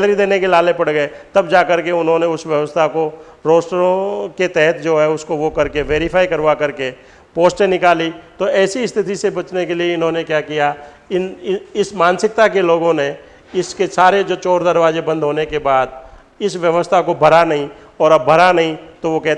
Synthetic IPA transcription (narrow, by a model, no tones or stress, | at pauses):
lɾid̪eːnekelaːlepɐɽɡəet̪ɐbd͡ʒaːkɐɾkeʊnɦõneʊsʋjəʋəst̪ʰako | ɾoːsɾõket̪ɛɦɛt̪d͡ʒoːɦɛʊskoʋokɐɾkeʋeːɾɪpʰaːikɐɾʋakɐɾke | poːsʈenɪkaːlit̪oɛːsiɪst̪ʰɪt̪isebɐt͡ʃnekelieɪnɦõnekjaːkija | ɪnɪsmaːnsɪk̚t̪akeloːɡõne | ɪskesaːɾed͡ʒoːt͡ʃɔːɾd̪ɐɾʋaːd͡ʒebɐ̃nd̪ɦoːnekebaːd̪̚ | ɪsʋjɐʋəst̪ʰakobʱɐɾanɐɦĩ | ɔːɾɐbːʱɐɾanɐɦĩt̪oʋokɛɦ